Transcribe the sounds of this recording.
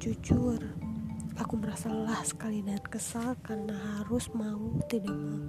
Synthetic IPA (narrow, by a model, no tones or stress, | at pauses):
d͡ʒut͡ʃʊr | akuməɾasalahsə̥kalidat̪̚kəsalkarnaɦaɾʊsmaut̪idaʔɲa